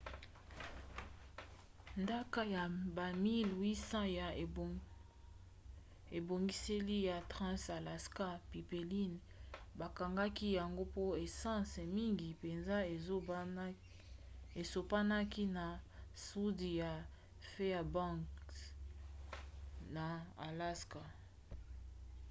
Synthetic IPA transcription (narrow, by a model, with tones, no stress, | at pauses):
nda˦ka˦ja˨ba˨mi˦lwi˦sã˦ja˨ | e˨bo˨ŋɡi˦se˦li˦ja˨tʁã˦sa˨la˨ska˦pi˨pe˨li˦n | ba˨ka˨ŋɡa˦ki˦ja˨ŋɡo˦po˦e˨sã˦sɛ˨mi˦ŋɡi˨pe˨nza˦e˨˦ | e˨so˨pa˦na˦ki˦na˨su˦di˨ja˨ | fe˦a˨bã˦k | na˨a̰˨la˦ska˨